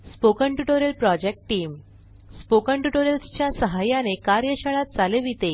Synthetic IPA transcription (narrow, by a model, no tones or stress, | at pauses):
spokəɳʈuʈoɾjəlpɾɔd͡ʑek̚ʈʈːiːm | spokəɳʈuʈoɾjəlst͡ɕjasəɦajanekaɾjəɕəɭat̪̚d͡zaleʋit̪e